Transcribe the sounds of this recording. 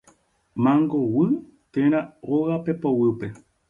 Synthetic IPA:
mãŋɡowɨ | t̪ẽɾ̃ãoɣapepowɨpe̞

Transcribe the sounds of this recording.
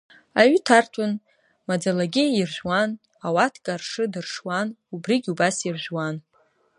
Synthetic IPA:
aɥtʰartʷʰʼʊn | mad͡zalaɡʲɪirʒʷᶣwan | awatʰkʼarʂɨdɨrʂwanubriɡʲubasirʒʷᶣwan

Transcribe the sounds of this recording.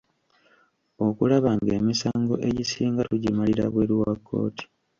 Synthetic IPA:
o̞kulaβaŋɡe̞misaːŋɡo̞̰ʔe̞ɟisiːŋɡatuɟimaliɾa̰βwe̞ɾwakʰːo̞̰ːti̥

